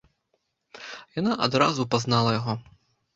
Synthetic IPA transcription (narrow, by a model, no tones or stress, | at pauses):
janaʔad̪ɾazupaznalˠɐjaɣɔ